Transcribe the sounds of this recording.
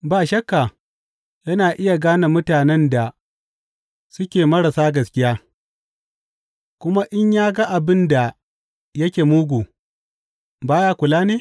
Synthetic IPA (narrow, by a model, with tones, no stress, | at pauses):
baː˨ʃɐ˦kːa˨ | jɐ˦naː˨ʔɪ˦ja˨ɡaː˦na˨mʊ˦taː˨nɛ˦nda˨ | sʊ˦kʲeː˨mɐ˦ɾa˨saː˦ɡɐ˨skʲɪ˦jaː˦ | kʷʊ˦ma˦ʔɪ˦ɲjaː˦ɡa˦ʔa˨bɪ˦nda˨ | jɐ˦kʲeː˨muː˦ɡʷuː˨ | baː˦jaː˦kʷʊ˨laː˦neː˦